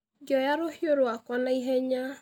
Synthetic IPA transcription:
ɡɔjaɾohjoɾoakɔnaiɦɛɲa

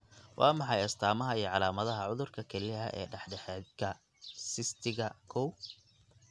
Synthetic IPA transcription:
wʔɑ̰ːmɑħɑjɐst̪ʰaːmɐɦɐijɞʕɑlaːmɐðɐɦɐʕʊðʊrkʰɐkʰɛlɪɦɐ̰ʔɛ̰ːɖɛħɖɛħɛːd̪kʰɐ | sɪst̪ʰɪɣɐkʰɔw

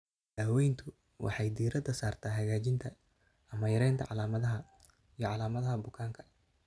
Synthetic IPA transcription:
d̪̥aːwɛjnt̪ʰʊ | wʔɑ̰ħɑjd̪iːɾɐd̪ɐsaːrt̪ʰaːɦɐɣaːt͡ʃɪnt̪ʰɐ | ɐmɐjɐɾɛjnt̪ʰɐ̰ʕɑlaːmɐðɐɦɐ | ijɔʕɑlaːmɐðɐɦɐbʊkʰaːŋkʰɐ̥

